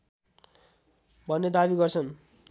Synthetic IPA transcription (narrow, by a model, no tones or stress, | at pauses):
bʱʌnːed̪abiɡʌrt͡sʰʌn